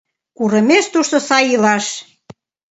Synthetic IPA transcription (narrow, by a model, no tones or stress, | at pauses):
kuɾə̆meʃt̪uʃt̪osɑjilɑʃ